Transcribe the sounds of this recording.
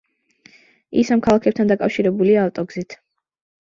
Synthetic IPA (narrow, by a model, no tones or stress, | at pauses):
ḭsamkʰalˠakʰɛp̚t̪ʰand̪akʼafʃiɾɛbuliaːt̪ʼɔɡzit̪ʰ